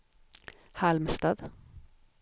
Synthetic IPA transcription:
hɑlmst̪ɑːd̪

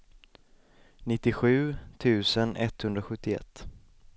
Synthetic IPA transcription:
nɪt̪ːɪɧʉ̟ːt̪ʰʉ̟ːsənʔɛt̪hɵnd̪ɾaɧɵt̪ːɪɛ̰t̪ː

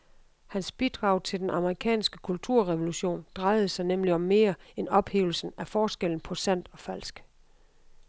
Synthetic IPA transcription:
hænsb̥id̥ʁɑ̈ʊ̰t͡sʰe̝ld̥enʔɑ̈məʁikʰɛ̰ːnsɡ̥ə̥kʰult͡sʰuɐ̰ʁɛʋo̝luɕo̝̰ːnd̥ʁɑ̈ɪð̞̩ˠəsɑ̈ɪnemliɒ̽mːe̝ːɐenɒ̽b̥he̝̰ːʊl̩sn̩æfɒːsɡ̥el̰n̩pʰɒ̽sæn̰d̥ɒ̽fæl̰sɡ̥

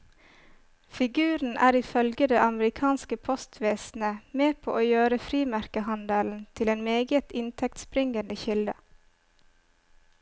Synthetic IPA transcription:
fɪɡʉːɾn̩ʔæ̰ːɾɪfœlɡəd̪eːʔɑməɾɪkʰɑːnskəpʰɔst̪ʰʋeːsn̩əmeːpʰo̰ːʔoːjøːɾəfɾiːmæɾkəhɑnd̪əln̩t̪ʰɪleːnmeːɡət̪ɪnt̪ʰɛk̚t̪spɾɪŋənəçɪld̪ə̰

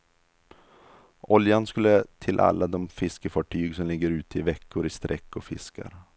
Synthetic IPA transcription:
ʔɔljanskɵlːət̪ʰɪlʔa̰lːad̪ɔmfɪskəfɑːʈʰyːɡsɔmlɪɡːəɾʉ̟ːt̪əɪvɛkːʊɾɪst̪ɾʔɛkːɔfɪ̰skʰa̰ɾ

